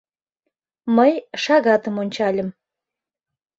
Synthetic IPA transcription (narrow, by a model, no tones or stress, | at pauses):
məjʃɑɣɑt̪əmonʲt͡ɕɑlʲə̆m